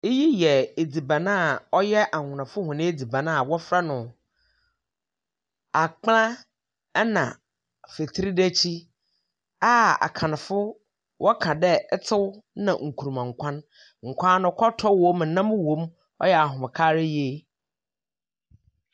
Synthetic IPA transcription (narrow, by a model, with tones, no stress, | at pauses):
e˦ji˦jɛ˨e˨d͡zi˨bã˨nã˦a˨ɔ˦jɛ˦ʔa˨ŋʊ̃˨nã˨fʊ˦hʊ̃˨nɪ̃˦e˦d͡zi˨bã˨nã˦a˨wɔ˦fɾa˦nʊ̃˨ | a˨k͡plã˦ | nã̰˨ | fe˨tʰi˦ɾi˦dɛ˦t͡ɕʰi˦ | a˦a̰˨kʰã˨nã˨fʊ˦ | wʔɔ˦kʰã˨dɛ˦tʰɪ˦wnã̰˨ŋ̩˨kʰu˨ɾu˨mã˨ŋ̩˨kʷʰã˦n | ŋ̩˨kʷʰãː˦nʊ̃˨˦kʰɔ˦tʰɔ˦wõ˦m̩˨nã˦m˦wõ˦m | ɔ̰˦jɛ˨a˨ɦʊ̃˨m˨kʰa˦ɾɪ˦jeː˦